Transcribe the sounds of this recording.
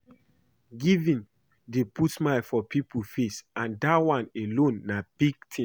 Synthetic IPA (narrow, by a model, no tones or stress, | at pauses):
ɡivĩn | deputmaɪfɔpipʰufesãndawãnelõnːab̥iɡ̚tʰĩ